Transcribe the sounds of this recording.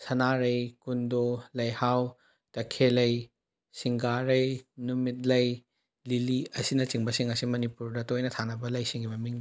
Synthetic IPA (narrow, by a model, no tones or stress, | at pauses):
sɐnaɾɐjkundolɐjhaw | tɐkʰelɐj | siŋɡaɾɐjnumit̚lɐj | liliɐsinɐt͡ʃiŋbɐsiŋɐsimɐnipuɾdɐtojnɐtʰanɐbɐlɐjsiŋɡimɐmiŋn